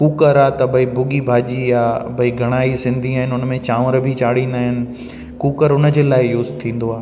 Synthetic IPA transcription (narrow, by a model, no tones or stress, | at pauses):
kuːkəɾaːt̪ɐbʱɐibʊɠibʱaːʄijabʱɐiɡʱɐɽ̃aːisɪ̃nd̪ʱĩaːɦɪnɪʊnəmẽt͡ɕãːʋəɾbʱit͡ɕaːɽ̤ĩːnd̪aːɦɪnɪ̆ | kuːkəɾʊnə̆d͡ʑeːlaːɪjʊːzt̪ʰĩːn̆d̪oaː